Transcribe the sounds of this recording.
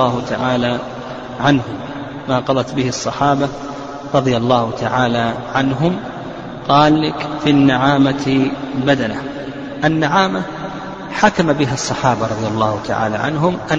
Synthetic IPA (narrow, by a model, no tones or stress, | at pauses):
aːhʊt̪a̰ʕaːla | ʕanhʊmː | aːqɑðˤɑt̪bɪhɪsˤːɑħaːba | ɾˤɑðˤjalˤːɑːhʊt̪aʕaːlaʕanɦʊm | qɑːllɪkfinːaʕaːmat̪bad̪ana | ʔanːaʕaːma | ħakamabɪɦasˤːɑħaːbaɾˤɑd̪ˤjalˤːɑːhʊt̪ʰa̰ʕa̰ːla̰ʕa̰nɦʊmʔa